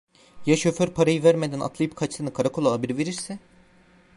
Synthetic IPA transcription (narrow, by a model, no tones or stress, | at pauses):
jaʃøføɾpʰaɾajɯvæɾmed̪æna̰t̪ʰlˠajɯpkʰat͡ʃt̪ɯnɯkʰaɾakʰo̞lˠaːbiɾive̞ɾiɾsɪ